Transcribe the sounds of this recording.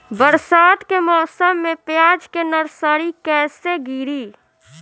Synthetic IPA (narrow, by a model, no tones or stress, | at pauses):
bəɾsaːd̪kemɔːsəmːepjaːd͡ʒkenəɾsəɾikɛːseɡiːɾi